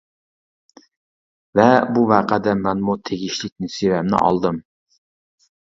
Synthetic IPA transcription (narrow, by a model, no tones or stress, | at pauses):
vɛbuvæːqʰæd̪ɛmɛnmut̪ʰeɡʲiʃlɪk̚ʲnɪsewɛmnɪ̰ʔɑ̰lˠd̪ɨm